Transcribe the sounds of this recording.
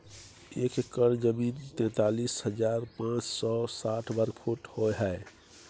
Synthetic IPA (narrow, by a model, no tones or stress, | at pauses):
ekkːəɾd͡ʒəmint̪ɛ̃t̪alishəd͡ʒaɾpãt͡ʃsɔsaʈʰbəɾɡpʰuʈhoɦɛe